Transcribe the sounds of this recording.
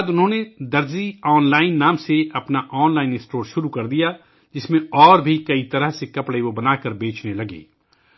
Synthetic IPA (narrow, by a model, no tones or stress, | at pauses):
d̪ʊnɦõːned̪ɐɾziɔːnlaːɪnːaːmseɐpnaʔɔːnlaːɪnɪsʈoːɾʃʊɾukɐɾd̪ija | d͡ʒɪsmẽɔːɾbʱikɐit̪ɐɾəɦsekɐpɽeʋobɐnaːkəɾbeːt͡ʃnelɐɡḛː